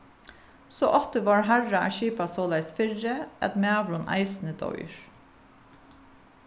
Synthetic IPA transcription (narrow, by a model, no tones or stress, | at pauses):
so̰ːʔɔht̪əʋɑːɹɦæɹɑæ̰ːʃiːpɑsoːlæɪsfɪɹəʔɛ̰t̪meːɑʋɹʊnʔæ̰ɪsn̩əd̪ɔ̰ʏɹ